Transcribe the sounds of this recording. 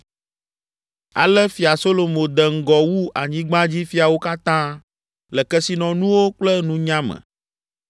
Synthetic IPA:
a̰˨lɛ˦fi˨a˨so˦lo˨mõ˨d̪ɛ˨ŋ̩˦˨ɡɔ˨wu˦ʔa˨ɲĩ˦ɡ͡bã˦d͡ʑi˦fi˦a˨wo˦ka˦t̪ã˦ | lɛ˨kɛ˦si˦nɔ̃˨nũ˦wo˦k͡plɛ˦nũ˦ɲã˦mɛ̰̃˨

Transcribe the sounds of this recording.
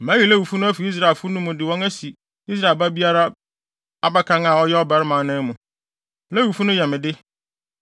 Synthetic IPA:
mæ̃˦ji˨læ˦wu˨fu˦nʊ̃˦æ˦fi˨i˦s̬ɾa˨e˨lfʊ˦nʊ̃˦mʊ̃˨dɪ˨wɔ̃˦ŋæ˦si˨ | i˦s̬ɾa˦˨e˨ba˦bi˦a˦ɾa˦ | a˨ba˦kʰã˦ŋa˨ɔ˦jɛ˦ɔ˦bɛ˨ɾɪ˦mãː˨˦nɪ̃˦mũ˨ | læ˦wu˨fu˦nʊ̃˦jɛ˨mɪ̃˨dɪ˦

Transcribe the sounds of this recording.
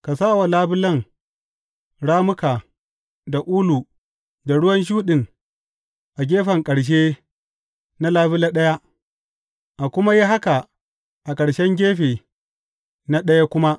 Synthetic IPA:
ka˨saː˦˨wa˨laː˦bɪ˦lɐ˦ŋ | ɽaː˦mʊ˦kaː˨ | da˨ʔuː˦lu˨ | da˨ɽʊ˦wɐ˦nʃ̬uː˦ɗɪ˨ŋ | ʔa˨ɡʲeː˦ɸɐ˨ŋkʼɐ˨ɽʃ̬eː˦ | na˦laː˦bɪ˦la˦ɗɐ˦ja˦ | ʔa˨kʷʊ˦ma˦ji˦ɦa˦ka˨ | ʔa˨kʼɐ˨ɽʃɛ˦ŋɡʲeː˦ɸeː˨ | na˦ɗɐ˦ja˦kʷʊ˦ma˦

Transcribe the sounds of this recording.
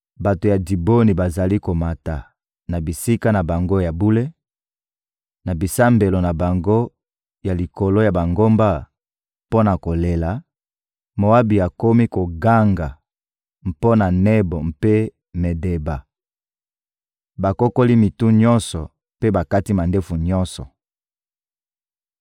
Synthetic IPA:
ba˨to˨ja˨di˨bo˦ni˨ba˨za˨li˦ko˨ma˨ta˨ | na˨bi˨si˦ka˦na˨ba˨ŋɡo˦ja˨bu˦le˦ | na˨bi˨sa˦mbe˨lo˨na˨ba˨ŋɡo˦ | ja˨li˨ko˨lo˦ja˨ba˨ŋɡo˦mba˦ | po˦na˨ko˨le˨la˨ | mo˨wa˦bi˨a˨ko˦mi˦ko˨ɡa˦ŋɡa˨ | m̩˨po˦na˨ne˦bo˨mpe˦ | me˨de˨ba˨ | ba˨ko˦ko˦li˦mi˨tu˦ɲɔ̃˦nsɔ˨ | pe˦ba˨ka˦ti˦ma˨nde˦fu˨ɲɔ˦nsɔ̰˨

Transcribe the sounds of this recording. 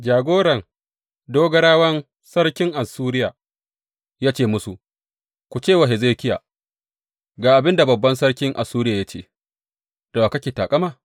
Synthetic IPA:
d͡ʒaː˨ɡʷoː˦ɽɐ˨ŋ | doː˦ɡɐ˦ɽaː˦wɐ˦n | sɐ˦ɽkʲɪ˦ŋʔa˨suː˦ɾɪ˦jaː˨ | jaː˦t͡ʃeː˦˨mʊ˦su˨ | kʷu˨t͡ʃeː˦˨wa˨ɦɪ˨zeː˦kʲɪ˦ja̰˨ | ɡaː˨ʔa˨bɪ˦nda˨bɐ˨bːɐ˦nsɐ˦ɽkʲɪ˦ŋʔa̰˨suː˦ɾɪ˦jaː˨ja˦t͡ʃḛː˦˨ | d̥a˨aː˨kɐ˦kʲeː˨taː˨kʼɐ˦maː˦˨

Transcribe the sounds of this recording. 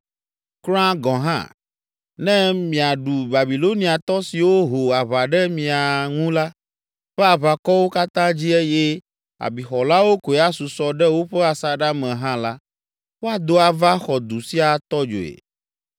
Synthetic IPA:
kl̃ã˦ɡɔ̃˨ɦã̰˦ | nɛ̃˦mĩ˨a˨ɖu˨ba˨bi˨lo˦nĩ˦a˨t̪ɔ˦si˨wo˦ɦo˨a˨βa˨ɖɛ˦mĩ˨a˨ŋũ˦la˦ | ɸɛ˦a˨βa˨kɔ˦wo˦ka˦t̪ã˦d͡ʑi˦ɛ˦je˦ | a̰˨bi˨xɔ˨la˦wo˦ko˨ɛ˨a˦su˨sɔ˦ɖɛ˦wo˦ɸɛ˦a˨sa˦ɖa˦mɛ̃˨ɦã˦la˦ | wo˦a˨d̪o˦a˨va˦xɔ˨d̪u˨si˦a˨t̪ɔ˦d͡ʒo̰˨ḛ˨

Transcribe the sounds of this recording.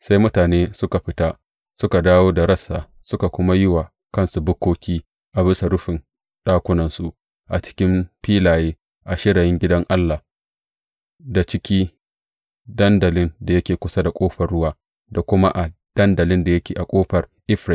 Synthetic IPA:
sa˦jmʊ˦taː˨neː˦sʊ˦ka˨ɸɪ˦ta˦ | sʊ˦ka˨daː˦woː˦da˨ɾɐ˦sa̰ː˨ | sʊ˦ka˨kʷʊ˦ma˦jɪ˦wa˨ | kɐ˦nsu˨bʊ˦kʷoː˦kʲiː˦ | ʔa˨bɪ˦sa˨ɽʊ˦ɸɪ˨n | ɗaː˦kʷʊ˦nɐ˨nsu˨ʔ | ʔa˨t͡ʃɪ̥˦kʲɪ˦mɸiː˦laː˨jeː˦ | ʔa˨ʃɪ˦ɽɐ˨jɪ˦ŋɡʲɪ˦dɐ˦ŋʔa˦lːa˨ | da˨t͡ʃɪ˦kʲiː˦ | dɐ˦ndɐ˨lɪ˦nda˨jɐ˦kʲeː˨kʷʊ˦sa˦da˨kʷʼoː˦ɸɐ˨rɽʊ˦waː˦ | da˨kʷʊ˦ma˦ʔa˨d̥ɐ˦ndɐ˨lɪ˦nda˨jɐ˦kʲeː˨ʔa˨kʷʼoː˦ɸɐ˨rʔɪ˦ɸɾɪ˦˨

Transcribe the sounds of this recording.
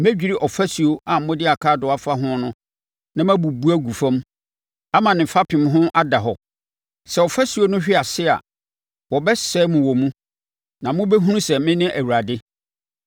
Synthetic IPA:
m˦æ˦d͡ʑᶣi˨ɾi˦ʔɔ˨fæ˦si˨o˦ʔa˨mʊ̃˦dɪ˦a˨kʰaː˦˨dʊ˨˦a˦fa˦ɦʊ̃˦nʊ̃˦ | nã˦mæ̃˦bu˨bu˦æ˦ɡu˨fã˦m˦ | a˦mã˨nɪ̃˨fa˦pʰɪ̃˨mɦʊ̃˦ʔa˦da˨ɦɔ˨ | sɛ˨ɔ˨fæ˦si˨o˦nʊ̃˦ɕᶣɪ˦a˨sɪ˦a̰˨ | wɔ˨bɛ˦sɛː˦mʊ̃˨wɔ˨mũ˦ | nã˨mʊ̃˦be˦ɦũ˦nũ˦sɛ˨mɪ̃˦nɪ̃˦ʔæ˨wu˨ɾa˨dɪ˦

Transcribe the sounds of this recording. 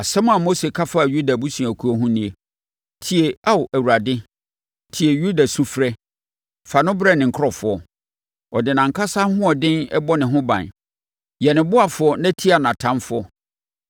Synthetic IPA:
a˨sɛ˦m˦a˨mo˦se˨kʰa˦fa˦˨ju˦da˨bu˦sĩ˨a˨kʰu˨˦ɔ˦ɦʊ̃˦nĩ˦e˨ | tʰi˨e˨a˦wʔæ˨wu˨ɾa˨dɪ˦ | tʰi˨e˨ju˦da˨su˦fɾɛ˦ | fa˨nʊ̃˦bɾɛ˦˨nɪ̃˨ŋ̩˨kʰɔ˨fʊ˨ɔ˨ | ɔ˨dɪ˨nã˨ŋ˨kʰa˦sa˦hʊ̃˦ɔ˨dɪ̃˦nɛ˦bɔ˦nɪ̃˨ɦʊ̃˦bã̰˨n | jɛ˨nɪ̃˨bʊ˦a˨fʊ˨˦ɔ˦nã˦tʰi˦a˨nã˨tʰã˦nfʊ˦ɔ˦

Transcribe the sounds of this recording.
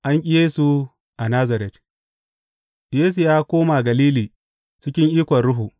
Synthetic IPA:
ʔa˦ŋkʲʼɪ˦jeː˦su˨ | ʔa˨naː˦zɐ˨ɾɛ˨t | jeː˦s̬u˨jaː˦kʷoː˦ma˨ɡɐ˨liː˦liː˨ | t͡ʃɪ˦kʲɪ˦ŋʔiː˦kʷɐ˨nɽʊ˦ɦu˨

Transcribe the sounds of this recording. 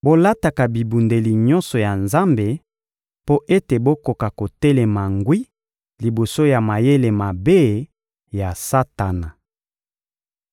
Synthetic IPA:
bo˦la˦ta˨ka˨bi˨bu˨nde˨li˨ɲɔ˦nsɔ˨ja˨nza˦mbe˨ | po˦ʔe˦te˨bo˦ko˨ka˨ko˨tɛ˦lɛ˨ma˨ŋɡwi˦ | li˨bo˨so˦ja˨ma˨je˦le˨ma˨be˦ | ja˨sa˦ta˨na˨

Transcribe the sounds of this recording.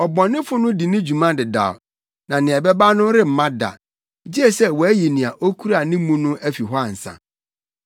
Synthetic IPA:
ɔ˨bɔ̃˨nːɪ̃˦fʊ˦nʊ̃˦di˨nɪ̃˦d͡ʑu˨mã˦dɪ˨da̰˨ | nã˨nɪ̃˨ɛ˨bɛ˦ba˦nʊ̃˦ɾɪ˦m̩˨mã˦da̰˨˦ | d͡ʑi˦ɛ˦sɛ˦wɔ˨æ˦ji˨nĩ˨a˨ʔo˦kʰu˦ɾa˨nɪ̃˦mũ˦nʊ̃˦ʔæ˦fi˨ɦɔ˦a˨n̩˨sã̰˨

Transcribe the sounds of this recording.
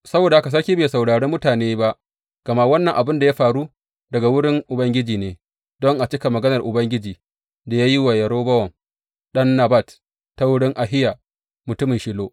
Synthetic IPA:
sɐ˦boː˨da˨a˦ka˨s̬ɐ˦ɾkʲiː˦beː˨sa˨wɽaː˨ɽeː˦mːʊ˦taː˨neː˦ba˦ʔ | ɡ̥ɐ˨ma˦wɐ˦nːɐ˨ŋʔa˨bɪ˦nda˨ja˦ɸaː˨ɽu˦ | dɐ˨ɡa˨wʊ˦ɽɪ˦ŋʔʊ˨bɐ˦ŋɡʲɪ˦d͡ʒiː˨neː˨ | dɔ˦ŋʔa˨t͡ʃɪ˦ka˨mɐ˨ɡɐ˦nɐ˨rʔʊ˨bɐ˦ŋɡʲɪ˦d͡ʒiː˨ | da˨jaː˦ji˦wa˨jɐ˨ɾoː˦bɐ˦wɐ˨m | ɗɐ˦nːa˨ba˦˨t | ta˦wʊ˦ɽɪ˦ŋʔa˨ɦɪ˦ja˨ | mʊ˨tʊ˦mɪ˨ʃɪ˦loː˦

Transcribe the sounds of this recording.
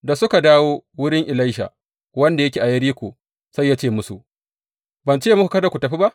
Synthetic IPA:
da˨sʊ˦ka˨daː˦woː˦wʊ˦ɽɪ˦ŋʔɪ˨la˦jʃa̰˨ | wɐ˦nda˨jɐ˦kʲeː˨ʔa˨jɐ˦ɽiː˦kʷoː˨ | sa˦jːaː˦t͡ʃeː˦˨mʊ˦sṵ˨ʔ | bɐ˨nt͡ʃeː˦˨m˦ku˨kɐ˦da˨kʷu˨tɐ˨ɸi˦ba˦ʔ

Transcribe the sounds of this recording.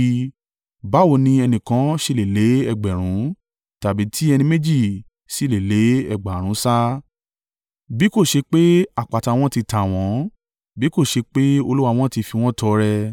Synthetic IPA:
ba˨˦wo˧˦nĩ˧ɛ˧nĩ˨kã˨˦ʃe˧˨le˨le˨˦ɛ˦˨ɡ͡bɛ˨ɾ̃ũ˨˦ | ta˨bi˨˦tʰi˦ɛ˧nĩ˧me˦d͡ʒi˦˨ | si˨˦˨le˨le˨˦ɛ̰˦˨ɡ͡ba˨ɾ̃ũ˨˦sa˦ | bi˨˦ko˦˨ʃe˧k͡pe˦a˦˨k͡pa˨ta˨˧w̃ɔ̃˦ti˧ta˨w̃ɔ̃˨˦ | bi˦ko˦˨ʃe˧k͡pe˦o˧lu˦wa˧w̃ɔ̃˦ti˧fi˧w̃ɔ̃˦tɔ˧ɾɛ˧

